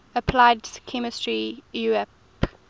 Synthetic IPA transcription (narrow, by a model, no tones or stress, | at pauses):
əpʰlaɪdkʰɛmɪstɹijuɛp